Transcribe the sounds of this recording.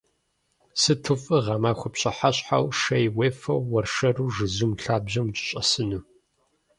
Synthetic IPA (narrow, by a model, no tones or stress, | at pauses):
sɨtʰɨfʼɨʁɑmaːxʷʊpɕɐħaɕʼħa̰wʃɐjweːfɐwːɐrʂɐruːʒɨzumɬaːbʑɐmt͡ʃʼɪ̥ɕʼɐ̰sɨnuː